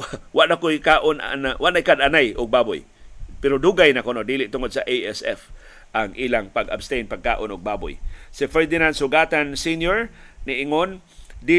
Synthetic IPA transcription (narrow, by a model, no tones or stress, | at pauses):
waʔnakoikaːʔonʔa̰nawaʔnaʔɪkad̪anajʔʊɡ̚baːbʊ̰j | pɛɾod̪uɡajnakonod̪iːlɪʔt̪ʊŋod̪̚saʔejɛsɛ̰f | ʔaŋʔiːlaŋpaɡa̰bst̪ejnpaɡ̚ka̰ːʔonʊɡ̚baːbʊ̰jsɪfɛɹd̪ɪnand̪sʊɡaːt̪ansinjoɹnɪʔɪŋon | d̪i